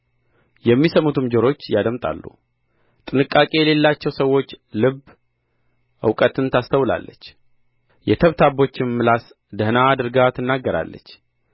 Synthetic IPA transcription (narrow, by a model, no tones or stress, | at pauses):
jɛmːisəmut̪ʰɨmd͡ʒəɾo̞t͡ʃːjad̪əmt̪ʼa̰lːṵ | t̪ʼɨnɨkʼːakʼe̞jɛle̞lːat͡ʃːɛwsəwːo̞t͡ʃːlɨb | ʔɨ̰wkʼət̪ʰɨnt̪ʰast̪ʰəwla̰lːət͡ʃː | jɛt̪ʰəβt̪ʰabo̞t͡ʃːɪnmɨlas | d̪əhnaːd̪ɨɾɡat̪ʰɨnːaɡːəɾa̰lːə̰t͡ʃː